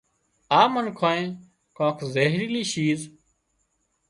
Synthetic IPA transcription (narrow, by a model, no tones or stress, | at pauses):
aːmənkʰoːẽː | kõːkʰzeːɦɾiːliːʃiːz